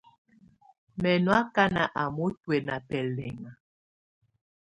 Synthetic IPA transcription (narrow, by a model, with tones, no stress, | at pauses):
mɛ˨nwa˦ka˦na˨ʔa˨mo˦twe˨na˨pɛ˨lɛ˨ŋa˨